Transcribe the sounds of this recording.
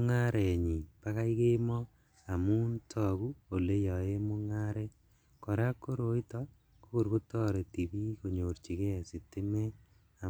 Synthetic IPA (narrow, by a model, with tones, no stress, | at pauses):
ŋa˦ɾe˨ɲi˨pa˦ka˦i˦ke˦mɔ˦ | a˨mu˦ntʰɔ˦ku˦o˨le˦jɔ˨e˦mu˦ŋa˦ɾɛ˦ | kɔ˨ɾa˦kːo˦ɾo˨i˦tɔ | ku˦ku˨ɾku˦tɔ˦ɾe˨ti˨bi˦ko˨ɲo˨ɾt͡ʃi˨ke˦˨si˨tɪ˦mɛ˦ | a˨